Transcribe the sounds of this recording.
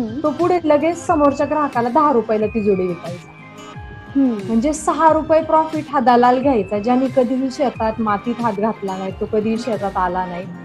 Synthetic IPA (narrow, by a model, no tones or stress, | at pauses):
t̪opuɽ̤eləɡesəmoɾt͡ɕaɡɾãɦkalad̪əɦaɾupajlat̪id͡zoɽiʋet̪ajt͡sa | ɦm̤əɳd͡zesəɦaɾupajpɾɔfiʈɦad̪alalɡʱjajt͡sad͡ʑjaniːkəd̪ʱiɦiɕət̪at̪mat̪iːt̪ɦat̪ɡʱat̪lanaɦit̪okəd̪ʱiːɕɛt̪at̪alanaɦi